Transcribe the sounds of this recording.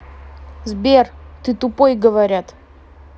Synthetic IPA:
zbʲert̪ɨt̪ʊpojɡəvɐɾʲat̪

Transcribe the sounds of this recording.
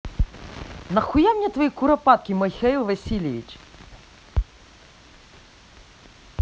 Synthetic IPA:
nɐxujamnʲɛt̪vəikuɾɐpat̪̚kʲimɐxailˠvɐsʲilʲɛvḭt͡ʃ

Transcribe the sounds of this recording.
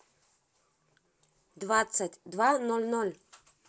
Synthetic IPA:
d̪vat̪sətʲd̪vanɔlʲnolʲ

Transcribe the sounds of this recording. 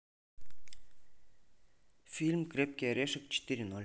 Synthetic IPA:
fʲilʲmkrʲep̚kʲiaɾʲeʃə̆k̚t͡ɕi̥t̪ʲːiɾʲinolʲ

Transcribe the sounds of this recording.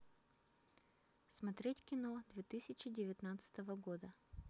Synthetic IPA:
smɐt̪ɾʲetʲkʲɪnod̪vʲet̪ɨsʲɪt͡ɕɪdʲɪvʲɪt̪nat̪sɨ̥t̪əvəɡo̞d̪ə

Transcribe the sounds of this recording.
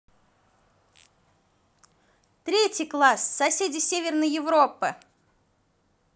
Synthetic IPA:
t̪ɾʲetʲɪjklˠassɐsʲedʲɪsʲevʲɪrnəjɪvɾopːɨ

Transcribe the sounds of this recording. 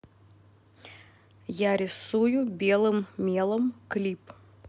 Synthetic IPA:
jaɾʲɪsujʊbʲelˠɨmmʲelˠəmklʲip

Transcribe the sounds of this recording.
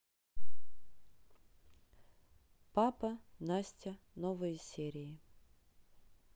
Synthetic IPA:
papɐnasʲtʲə | novɨjsʲeɾʲɪjɪ

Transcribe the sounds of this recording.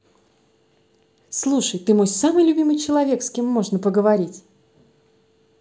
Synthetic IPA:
slˠuʂəjt̪ɨmo̞jsamɨjlʲʊbʲimɨjt͡ɕɪlˠɐvʲe̞kskʲemːo̞ʐnəpəɡəvɐɾʲitʲ

